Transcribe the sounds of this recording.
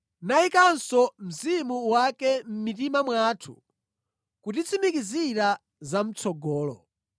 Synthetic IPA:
naikansɔm̩zimuwakɛm̩mitimamwaːtʰṵ | kut̬it͡sʰimikiziɾa | zam̩t͡sʰɔɡɔːlɔ

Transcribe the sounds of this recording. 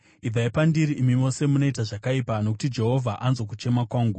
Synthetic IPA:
ib͡vʱaipandiɾiʔːmimo̞se̞muno̞itaʐakaipano̞k̬u̥tid͡ʒe̞ɦo̞vʱaʔanzo̞k̬ut͡ʃe̞makwaːŋɡu

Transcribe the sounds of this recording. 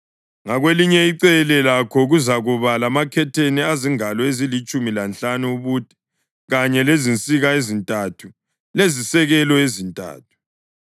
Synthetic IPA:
ŋaɣweliɲɛiǀɛlɛlakʰɔɣuzaɣuβalamakʰɛtʰeniaziŋalɔezilit͡ʃʼumilant͡ɬanuːβuːd̥ʼi̥ | ɣaɲɛlezint͡sʼiɣaezintʼatʰu | lezisɛɣɛlɔezintʼa̰ːt̚ʰu̥

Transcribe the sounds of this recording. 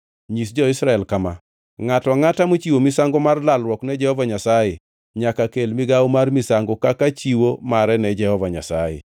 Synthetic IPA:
ɲis̬d͡ʒɔɪsɾaɛlkama | ŋatɔŋatamot͡ʃiwomisaŋɡomarlalɾwɔknɛd͡ʒɛhɔvaɲasaje | ɲakakelmiɡawomarmisaŋɡokakat͡ʃiwomaɾɛnɛd͡ʒɛhɔvaɲa̰sa̰jḛ

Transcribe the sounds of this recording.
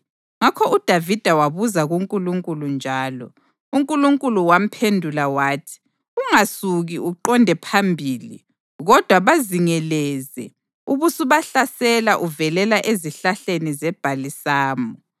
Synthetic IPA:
ŋakʰɔud̥ʱavid̥ʱawaβuzaɣuŋkʼuluŋkʼulund͡ʒʱaːlɔ̰ | uŋkʼuluŋkʼuluwam̩pʰendʱulawaːtʰi̥ | uŋasuɣiʔuǃɔndʱɛpʰambʱiːlḭ | ɣɔd̥ʱwaβaziŋɛlɛːzɛ̰ | uβusuβaɬasɛlaʔuvɛlɛlaʔeziɬaɬenizɛb̥ʱalisaːmɔ

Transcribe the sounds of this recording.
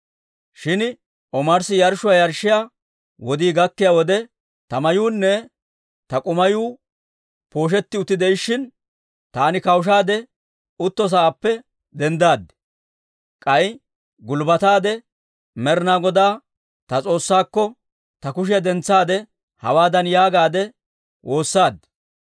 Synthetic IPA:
ʃɪn | ɔmɐɾsɪjɐɾʃʊwajɐɾʃɪjaː | wɔd̪iːɡɐkːɪjaːwɔd̪ɛ | t̪ɐmɐjuːnːɛ | t̪ɐkʼʊmɐjuː | po̞ːʃ̬ɛt̪ːɪʊt̪ːɪd̪ɛɪʃːɪn | t̪aːnɪkɐwʃ̬aːd̪ɛ | ʊt̪ːɔs̬ɐaːpːɛ | d̪ɛnd̪aːd̪ | kʼɐj | ɡʊlbɐt̪aːd̪ɛ | mɛɾnaːɡɔd̪aː | t̪ɐt͡sʼo̞ːsːaːkːɔ | t̪ɐkʊʃ̬ɪjɐd̪ɛnt͡sːaːd̪ɛ | hɐ̰waːd̪ɐnjaːɡaːd̪ɛ | wʔo̞ːsːaːd̪

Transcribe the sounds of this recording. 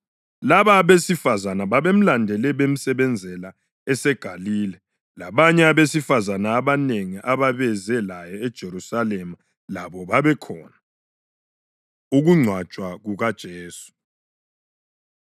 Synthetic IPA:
laβaːβesifazanaβaβem̩landʱɛlɛβem̩sɛβɛnd͡zʱɛla | ɛsɛɡ̥ʱaliːlɛ | la̰βaɲɛaβesifazanaːβaneŋiʔaβaβɛzɛlajɔɛd̥ʒ̥ʱeɾusalema | laβɔβaβɛkʰɔ̰ːna | uɣuŋ͡ǀʱwat͡ʃʼwaɣuɣad̥ʒ̥ʱeːsu̥

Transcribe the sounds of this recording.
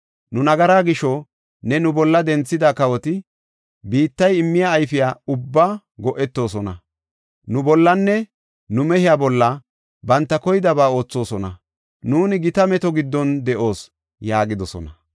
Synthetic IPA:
nʊnɐɡɐɾaːɡɪʃɔ | nɛnʊbɔlːɐd̪ɛnt͡sːɪd̪akɐwɔt̪ɪ | biːt̪ːɐjɪmːɪjaːjfɪjaːʊbːaː | ɡɔʔɛt̪ːo̞ːs̬ɔnɐ | nʊbɔlːɐnːɛ | nʊmɛhɪjaːbɔlːɐ | bɐnt̪ːɐkɔjɪd̪ɐbaːo̞ːt͡sːo̞ːsɔnɐ | nuːnɪɡɪt̪ɐmɛt̪ɔɡɪd̪ːɔnd̪ɛʔo̞ːs | jaːɡɪd̪ɔsɔ̰nɐ

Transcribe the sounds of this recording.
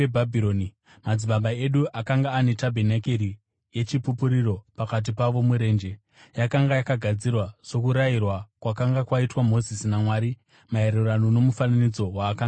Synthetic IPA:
ebʱabʱiɾoni | mad͡ziɓaɓae̞ɗuʔakaŋɡaːne̞tabʱenakeɾi | je̞t͡ʃipupuɾiro̞pakat̬ipaʋo̞muɾe̞ːnd͡ʒe̞ | jakaŋɡajakaɡʱad͡zirwaʐ̥o̞kuɾairwakwakaŋɡakwaitwamo̞zisinamwaːɾi | mae̞ɾeranono̞mufananid͡zo̞waːkaŋɡa

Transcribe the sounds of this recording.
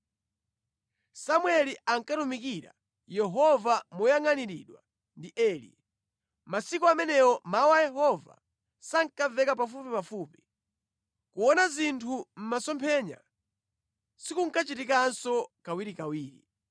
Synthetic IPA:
samwɛliaŋ̩katumikiɾa̰ | jɛɦɔvamujaŋaniɾiɗwa | ndiʔɛːlḭ | masikɔamɛnɛɔmawajɛɦɔva̰ | saŋkavɛkap̬afupipafuːpi̥ | kuwɔnazintʰum̩masɔmpʰɛɲa̰ | sikuŋ̩kat͡ʃitikansɔkawiɾikawiːɾi

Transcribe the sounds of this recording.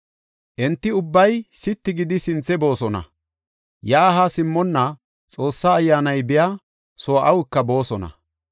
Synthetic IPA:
ʔɛnt̪ːɪʊbːɐjsɪt̪ːɪɡɪd̪ɪsɪnt͡sːɛbo̞ːsɔnɐ̰ | jɐːɦasɪmːɔnːɐ | t͡sʼo̞ːsːaːjːaːnɐjbɪja | soːʔɐwɪkːɐbo̞ːsɔnɐ̰

